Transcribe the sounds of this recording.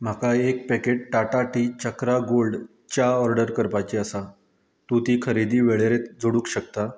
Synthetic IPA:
m̤akaek̚pɛkeʈ̚ʈaʈaʈiːt͡ɕəkɾaɡolɖ | t͡ɕaɔɾɖəɾkəɾpajt͡ɕiəsa | t̪ut̪iːkʰəɾid̪iːʋeɭeɾet̪d͡zoɽuːkɕək̚t̪a

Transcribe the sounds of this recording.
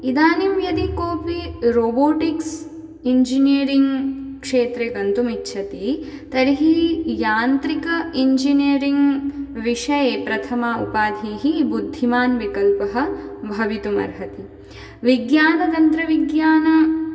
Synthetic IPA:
id̪aːnimjɐd̪ikoːpiɾoːboːʈiks | iɲd͡ʒiniɐɾiŋɡkʂeːt̪ɾeːɡ̪ɐnt̪umitːʃʰɐt̪i | t̪ɐɾiɦijaːnt̪ɾikɐiɲd͡ʒiniɐɾiŋɡʋiʂɐjeːpɾɐt̪ʰɐmaṵpaːd̪ʱiːɦibud̪ʱːimaːnʋikɐlpɐɦɐ̆bʱɐʋit̪umɐ̰ɾɦɐt̪i | ʋiɡjaːnɐd̪ɐnt̪ɾɐʋiɡjaːnɐ

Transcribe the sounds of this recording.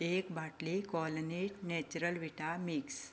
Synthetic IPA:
ekbʱaʈlikɔlniʈnɛt͡ɕuɾəlʋiʈamiks

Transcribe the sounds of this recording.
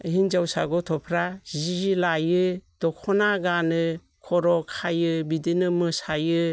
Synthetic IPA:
ɦind͡ʒawsa̰ɡɔtʰɔpʰɾaziilajɯd̥ɔkʰɔnaɡanɯ | kʰɔɾɔkʰajɯbidinɯmɯsajɯ

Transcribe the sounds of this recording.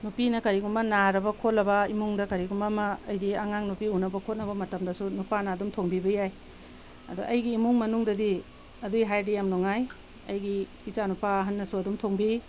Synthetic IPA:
nupinɐkɐɾiɡumbɐnaɾɐbɐkʰolːɐbɐimuŋdɐkɐɾiɡumɐmɐːjdiɐŋaŋnupiunɐbɐkʰot̚nɐbɐmɐtɐmdɐsunupanɐːdumtʰoŋbibɐjaj | ɐ̰dṵʔɐjɡiːmuŋmɐnuŋdɐdi | ɐdujɦajdijamnoŋaj | ɐ̰jɡiː | t͡ʃanupaɦɐnːɐsuɐdumtʰoŋbi

